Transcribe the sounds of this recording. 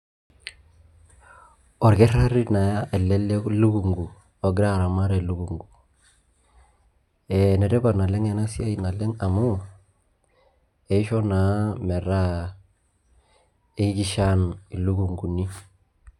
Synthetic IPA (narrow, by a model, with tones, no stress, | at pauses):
o˨ɾɡe˦ɾa˦ɾi˦na˨ja˦ʔe˨lːe˦le˦lu˦ɡu˨ŋɡu˨ | o˨ɡɾa˦˨ɾa˨ma˦ɾe˨lu˦ɡu˨ŋɡu˨ | e˨ne˨ɾe˦ba˨na˨le˦ŋe˨na˦si˦a˦i˨na˨le˦ŋa˨mu˦ | e˨i˦ʃo˦na˨˦me˨ɾa˦ | e˦ki˦ɡi˨ʃa˦ni˨lu˦ɡu˨ŋɡu˨ni˦